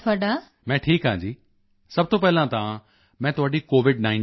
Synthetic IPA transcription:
t̪ʰoaːɽa | mɛ̃ːʈʰiːkãːd͡ʑiː | sɐb̚ʱt̪opɛɦɪlãt̪aã | mɛ̃ːt̪ʊaːɖikoːʋɪɖnaːɪ

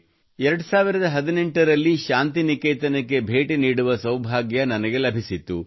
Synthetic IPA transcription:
ɛɾɐɽusaːʋiɾɐd̪ɐɦɐd̪ine̞ɳʈɐɾɐlːiʃaːnt̪inikeːt̪ɐnɐkːe̞bʱe̞ːʈiniːɽuʋɐsɐwbʱaːɡjɐnɐnɐɡe̞lɐbʱisit̪ːu

